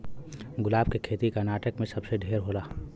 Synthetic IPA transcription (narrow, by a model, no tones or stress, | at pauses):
ɡʊlaːb̚kekʰeːt̪ikɐnaːʈəkmẽsɐbseɖʱeːɾɦoːlaː